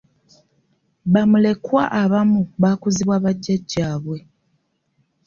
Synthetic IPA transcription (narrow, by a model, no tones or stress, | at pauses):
βamule̞kwa̰ʔaβamuβaːkuziβwaːβaɟːaɟːaːβwe̞